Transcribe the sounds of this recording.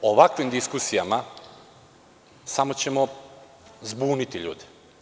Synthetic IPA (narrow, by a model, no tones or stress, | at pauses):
oʋakʋimd̪iskusijama | samot͡ɕemo | zbuːnit̪iʎṵːd̪ɛ̥